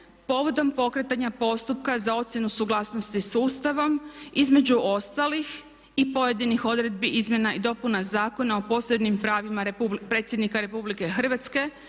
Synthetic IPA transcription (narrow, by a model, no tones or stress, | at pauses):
po̞ʋo̞d̪o̞mpo̞kɾe̞t̪aɲapo̞st̪up̚kazao̞t̪sjenusuɡlˠaːsno̞st̪isuːst̪aʋo̞mizme̞d͡ʑuʔo̞st̪alix | ipo̞je̞d̪inixo̞d̪ɾe̞d̪̚biʔizmje̞naid̪o̞punazaːko̞nao̞po̞ːseb̪nimpɾaːʋimaɾpupɾe̞ːt̪sjed̪nikaɾe̞publike̞xr̩ʋat̪ske̞